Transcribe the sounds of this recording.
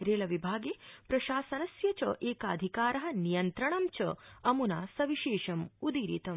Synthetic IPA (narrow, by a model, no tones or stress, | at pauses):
ɾeːlɐʋibʱaːɡeːpɾɐʃaːsɐnɐsjɐt͡ʃɐ̰ʔeːkaːd̪ʱikaːɾɐɦɐ̆nijɐnt̪ɾɐɳɐmt͡ʃɐɐmunaːsɐʋiʃeːʃɐmud̪iːɾḭt̪ɐm